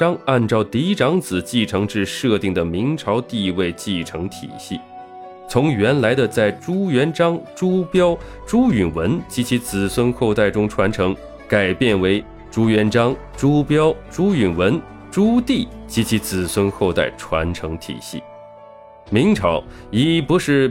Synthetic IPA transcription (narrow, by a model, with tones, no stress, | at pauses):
ʈ͡ʂɑ˥ŋa˥˧nʈ͡ʂɑ˥˧ʊt̪i˧˥i˥ʈ͡ʂɑ˧˥ŋt͡sɹ̩˨˩t͡ɕi˥˩ʈ͡ʂʰɤ˧˥ŋʈ͡ʂɻ̩˥˧ʂɤ˥˧t̪i˥˩ŋd̪ə˩mi˧˥ŋʈ͡ʂʰɑ˧˥ʊt̪i˥˧we˥˧ɪt͡ɕi˥˩ʈ͡ʂʰɤ˧˥ŋt̪ʰḭ˨˩ɕi˥˩ | t͡sʰʊ˧˥ŋɥɛ˧˥nla˧˥ɪd̪ə˧t͡sa˥˩ɪʈ͡ʂu˥ɥɛ˧˥nʈ͡ʂɑ˥ŋʈ͡ʂu˥pjɑ˥ʊ | ʈ͡ʂu˥y˨˩nwə˧˥nt͡ɕi˧˥t͡ɕʰi˧˥t͡sɹ̩˨˩swə˥nxo˥˧ʊt̪a˥˩ɪʈ͡ʂʊ˥ŋʈ͡ʂʰwa˧˥nʈ͡ʂʰɤ˧˥ŋ | ka˨˩ɪpjɛ˥˩nwe˧˥ɪ | ʈ͡ʂu˥ɥɛ˧˥nʈ͡ʂɑ˥ŋ | ʈ͡ʂu˥pjɑ˥ʊʈ͡ʂu˥y˨˩nwə˧˥n | ʈ͡ʂu˥t̪i˥˩t͡ɕi˧˥t͡ɕʰi˧˥t͡sɹ̩˨˩swə˥nxo˥˧ʊt̪a̰˥˩ɪʈ͡ʂʰwa̰˧˥nʈ͡ʂʰɤ˧˥ŋt̪ʰḭ˨˩ɕḭ˥˩ | mi˧˥ŋʈ͡ʂʰɑ˧˥ʊ | i˧˨˩pu˧˥ʂɻ̩˥˩